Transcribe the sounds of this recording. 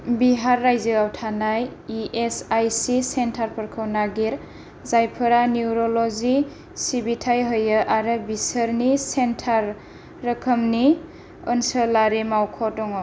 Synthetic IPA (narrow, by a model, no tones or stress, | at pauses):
biɦaɾːajziɡawtʰanajiʔesajsisentʰaɾpʰəɾkʰəwnaɡiɾ | zajpʰɯɾaniuɾolɔzi | sibitʰajɦɯjɯʔaɾɯbisəɾnisentʰaɾː | əkʰəmni | ənsɯlaɾimawkʰɔdɔŋɔ